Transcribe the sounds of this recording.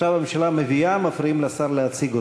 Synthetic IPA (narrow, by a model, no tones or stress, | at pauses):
avamemʃalameviamafɾiimlasaɾleat͡siɡo